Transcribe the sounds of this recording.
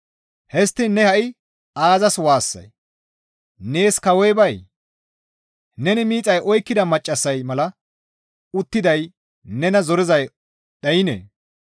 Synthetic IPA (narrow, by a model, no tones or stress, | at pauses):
hɛst̪ːɪnːɛhɐʔɪ | ʔaːzɐswaːsːɐ̰j | ne̞ːskɐwɛjbɐj | nɛnɪmiːt͡sʼɐjʔɔjkːɪd̪ɐmɐt͡ʃʼːɐsːɐjmɐlɐ | ʊt̪ːɪd̪ɐj | nɛnɐzɔɾɪzɐj | ɗɐjɪnḛː